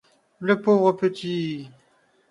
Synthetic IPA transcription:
ləpovʁəpət̪ʰi

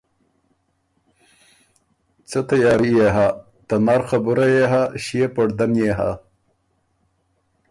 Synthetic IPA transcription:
t͡sɐt̪ɐjɑːɾijeɦa | t̪ɐnaːɾxɐbuɾajeɦaɕiepɐɽd̪ɐnjeːɦa̰

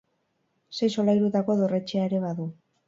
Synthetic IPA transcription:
se̞jso̞lajɾut̪ako̞ðo̞re̞t͡ʃeaeɾe̞βaðu

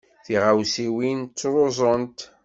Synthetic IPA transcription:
θiʁawsiwint͡sːɾˤozˤənt̪

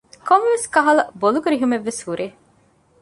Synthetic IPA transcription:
komʋeskɐɦɐlɐbolukuɾiɦumeʋːeshuɾʔeː

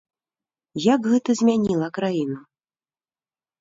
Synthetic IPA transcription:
jakɣɛt̪ɐzʲmʲanʲilˠɐkɾajinɐ

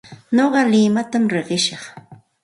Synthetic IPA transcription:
noɢɑlɪmat̪amɾeɢɪʃɑχ

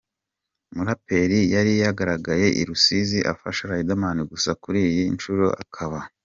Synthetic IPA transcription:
muɾape̞ɾijaɾijaɡaɾaɡaje̞ʔḭɾusiziʔa̰faʃaɾaidamaniɡusakuɾiːjiinʃuɾo̰ʔa̰kʰaβa

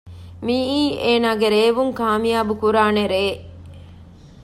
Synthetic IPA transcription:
miiːʔeːnaːɡeɾeːʋuŋkaːmijaːbukuɾaːneɾeː

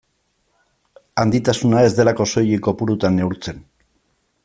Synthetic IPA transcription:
and̪it̪asunae̞zd̪e̞lako̞so̞jiko̞puɾut̪anːe̞uɾt͡se̞n

